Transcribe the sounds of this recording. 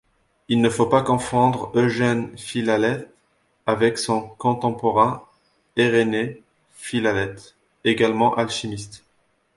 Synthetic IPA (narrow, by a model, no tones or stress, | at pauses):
ilnəfopakɔ̃fɑ̃d̪ʁøʒɛnfilalɛt̪ | avɛksɔ̃kɔ̃t̪ɑ̃pɔʁɛ̃ | eʁene | filalɛt̪ | eɡalmɑ̃ʔalʃimist̪